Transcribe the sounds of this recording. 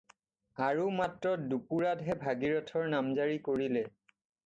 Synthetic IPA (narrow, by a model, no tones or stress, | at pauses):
aɹumatɹɔdupuɹadɦɛbʱaɡiɹɔtʰɔɹnamzaɹikoɹilɛ